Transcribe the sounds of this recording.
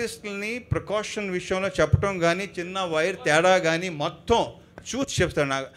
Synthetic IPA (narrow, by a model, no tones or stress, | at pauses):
isʈlnipɾɐkaːʂɐnʋiʂɐjɐmloːt͡ʃɛpːɐʈɐmɡaːnit͡ʃinːɐʋɐjɾt̪ɛːɽaːɡaːniːmɔt̪ʰːɐ̃m | t͡ʃuːt̪t͡ʃept̪ɐnaːɡ